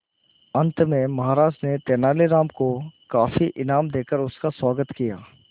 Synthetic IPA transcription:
ɐ̃nt̪mẽmɐɦaːɾaːʃtnet̪ɛːnaːleɾaːmkokaːfiʔɪnaːmd̪eːkəɾʊskaswaːɡət̪kija̰ː

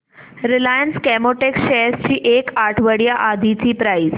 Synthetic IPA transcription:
ɾilajənskɛmoʈeksɕɛst͡ɕiːʔekaʈʰʋəɽjaʔad̪ʱit͡ɕiːpɾais

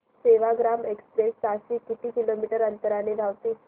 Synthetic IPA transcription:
seʋaɡɾamekspɾest͡saɕiːkit̪iːkilomiʈəɾənt̪əɾaneɾaʋt̪iː

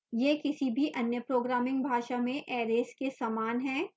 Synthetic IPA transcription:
jeːkɪsibʱiʔɐnjəpɾoːɡɾaːmɪ̃ŋɡbʱaːʃamẽʔɛːɾeːskesaːmaːnɦɛ̃ː

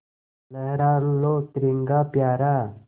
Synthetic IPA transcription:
lɐɦɾaːɾlot̪ɾiŋɡaːpjaːɾa

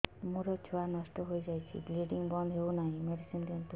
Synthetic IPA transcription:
muɾɔt͡ʃʰuanʌsʈɔɦojd͡zajt͡ʃʰḭɡliɖiŋbʌnd̪ʱɦeunaɦĩmeɖisimt̪ent̪u

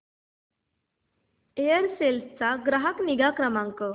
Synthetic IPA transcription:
ejəɾselst͡saɡɾaɦəkniɡakɾəmãŋkə

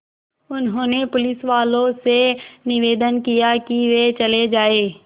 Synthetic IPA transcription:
ʊnɦõːnepʊlɪsʋaːlõsenɪʋeːd̪ənkijakiʋet͡ʃɐled͡ʒaːeː

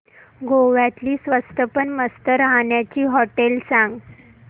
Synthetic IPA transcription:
ɡoʋjat̪liːsʋəst̪əpənməst̪əɾaɦɳjat͡ɕiːɦɔʈelsãŋɡ

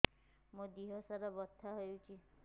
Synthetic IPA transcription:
mũd̪iɦɔsaɾɔbɔt̪ʰːaɦɔjũt͡ʃʰi

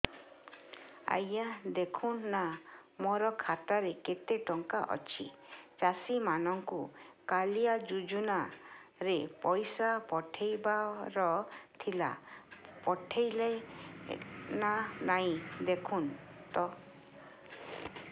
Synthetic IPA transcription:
a̰jad̪ekʰunːamɔɾɔkʰat̪aɾeket̪eʈɔŋkaʔɔ̰t͡ʃʰit͡ʃasimanɔŋkukalijad͡ʒud͡ʒunaɾepɔjsapɔʈʰejbaɾɔt̪ʰila̰pɔʈʰejlaj | nanaĩd̪ekʰun | t̪ɔ

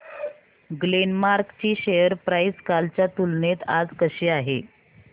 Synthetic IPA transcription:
ɡlenmaɾkt͡ɕiːɕejəɾpɾajskalt͡ɕjat̪ulnet̪ad͡zkəɕeːaɦḛ

